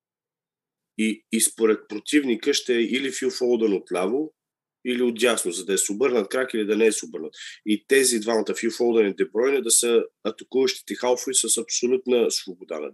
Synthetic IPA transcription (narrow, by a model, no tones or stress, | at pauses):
iːspoɾɛt̪̚pɾot̪ivnikəʃt̪ɛɛʔilifiwˠfɔlˠd̪ənot̪lʲavo | iliod̪jasnozɐd̪ɐɛsɛobɤɾnət̪kɾakilid̪ɐnɛɛsɛobɤɾnət̪it̪ɛzid̪vanɐt̪əfiwfɔlˠd̪ənɛd̪ɛbɾɔjnəd̪ɐsəɐt̪ɐkuvəʃt̪i̥t̪ɛxalˠfoisəsɐpsolʲut̪nəsvobod̪a̰nə̰